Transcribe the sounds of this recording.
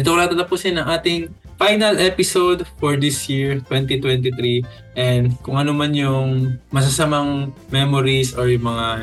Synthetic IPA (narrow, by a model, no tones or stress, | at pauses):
ɪt̪okɾaːt̪ɐt̪ɐpʊsɛnɐŋʔaːt̪ɪŋ | fajnɐlʔɛpɪsod̪foɹd̪ɪsjiɹt̪wɛnt̪it̪wɛnt̪ɪt̪ɾi | ʔɛnd̪kʊŋʔɐnomanjʊŋmɐs̬ɐsɐmɐŋmɛmoɾisoɹjʊŋmɐŋa